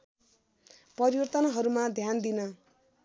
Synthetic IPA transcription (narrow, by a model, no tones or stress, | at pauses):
pʌɾiwʌrt̪ʌnʌɦʌɾumad̪ʱjand̪inʌ